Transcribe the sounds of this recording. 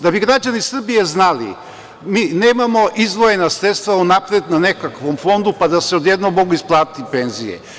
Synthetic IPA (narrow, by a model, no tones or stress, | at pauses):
d̪abiɡɾad͡ʑanisr̩bije̞znalḭ | miːneːmamo̞ʔizʋoje̞nasɾet̪st̪vaunapɾed̪nane̞kakʋo̞mfo̞nd̪upad̪aseo̞d̪jed̪nomːo̞ɡuisplˠaːt̪ipe̞nzijḛ